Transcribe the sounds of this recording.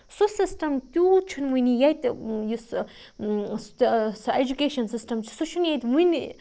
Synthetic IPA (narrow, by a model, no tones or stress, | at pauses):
susisʈɐmt̪ʲut͡ʃʰunwunijɐjt̪jus | st̪sed͡ʒukeʃɐnsisʈɐmt͡ʃʰsut͡ʃʰunjajt̪wuni